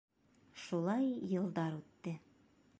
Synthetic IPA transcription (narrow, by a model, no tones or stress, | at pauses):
ʃulˠɑjːɤ̆lˠd̪ɑɾʉt̪ːɘ